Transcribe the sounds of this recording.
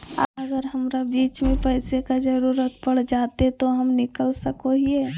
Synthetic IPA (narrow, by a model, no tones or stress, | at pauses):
aəɡəɾɦəmɾabiːt͡ʃmẽpəɦsekad͡ʒəɾuɾət̪̚pəɽd͡ʒaːt̪et̪oɦəmnɪkəlsəkoɦie